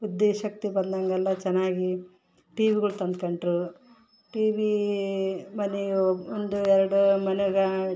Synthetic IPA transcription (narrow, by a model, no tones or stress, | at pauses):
ud̪ːeːʃɐk̚t̪ibɐnd̪ɐŋɡɛlːɐt͡ʃɛnːaːɡi | ʈiːʋiɡɐɭut̪ɐnd̪kɐɳɖɾu | ʈiːʋi | mɐniond̪uɛɾɐɽumɐnuɡɐ